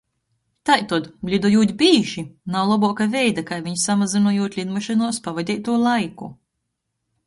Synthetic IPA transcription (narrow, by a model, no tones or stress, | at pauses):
t̪ajt̪ud̪ɡlʲid̪ɔjuːt̪ʲbʲiːʒinawlˠabɔɔkavʲɛjd̪akajviɲsamazinuɔjuːt̪ʲlʲid̪maʃinuɔspavad̪ʲɛːt̪ːuɔlˠajkṵ